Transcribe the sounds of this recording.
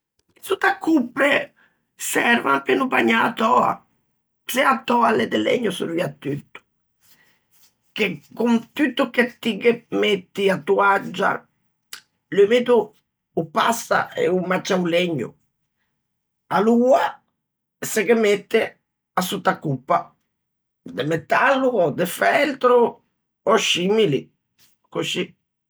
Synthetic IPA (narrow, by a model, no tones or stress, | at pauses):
isut̪ːakʰːupːɾe | sɛɾvampenupaɲːaat̪ɔːa̰ | sɛat̪ːɔːaled̪elḛɲːusṵɾviːat̪ːyt̪ːu̥ | k̟ekːunt̪yt̪ːuket̪ːikemet̪ːiat̪ːuad͡ʒːa̰ | lumet̪uː | pa̰sːa̰ḛumat͡ʃːauleɲːṵ | aluːa | sekemet̪ːe | asut̪ːakːupːa | d̪emet̪ːalːuɔd̪efɛlt̪ɾu | ɔʃimili | kuʃi